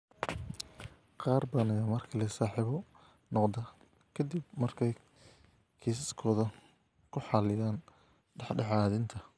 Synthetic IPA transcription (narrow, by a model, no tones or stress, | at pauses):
qɑːrbɐðɐnɪjɐmɐrkʰɐlɛsaːħiβɔ | nɔqd̪ɐ | kʰɐd̪ibmɐrkʰɛj | kʰiːs̬ɪskʰɔːðɐ | kʰʊħɑlɪjaːn | ɖɑħɖɑħɑːðɪnt̪ʰɐ